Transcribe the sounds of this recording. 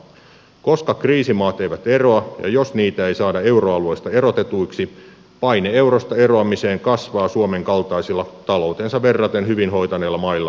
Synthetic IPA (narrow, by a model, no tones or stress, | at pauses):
ko̞skɑkriːsimɑːt̪ejʋæt̪e̞ro̞ɑjɑ̰jo̞sniːt̪æe̞jsɑːdɑe̞uroɑlue̞jst̪ɑe̞ɾo̞t̪et̪uiksi | pɑjnee̞uwɾost̪ɑe̞roɑmise̞ːŋkɑsʋɑːsuomeŋkɑlt̪ɑisilːɑt̪ɑlo̞wt̪e̞ːnsɑʋe̞rːɑt̪enhyʋinɦo̞jt̪ɑneːlːɑmɑilːɑ